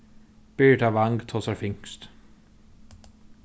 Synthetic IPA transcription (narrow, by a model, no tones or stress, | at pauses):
b̥yːʈaʋaŋɡt̪ʰoːsaɾfʏŋst̪